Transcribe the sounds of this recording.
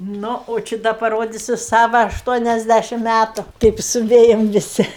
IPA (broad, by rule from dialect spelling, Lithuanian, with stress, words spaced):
ˈnʊ oː ˈt͡ʃʲɪ ˈdɐ pɐˈroːdʲɪsʲʊ ˈsɑːʋɐ ɐʃˈtuɔnʲɛzʲˌdʲæʃʲɪm ˈmʲætʊ ˈkɐɪp sʊˈʋʲeːjɛm ʋʲɪˈsʲɪ